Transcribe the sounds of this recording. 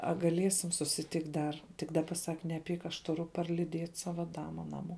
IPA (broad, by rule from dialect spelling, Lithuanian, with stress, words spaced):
ɐ ɡɐˈlʲiɛsʲɪm sʊsʲɪˈtʲɪktʲ ˈdɐr tʲɪk ˈdɑːbɐ ˈsɐk nʲɛˈpʲiːk ɐʃ tʊˈrʊ pɐrʲlʲɪˈdʲiɛtʲ ˈsɑːʋɐ ˈdɑːmɐ ˈnɑːˌmuɔ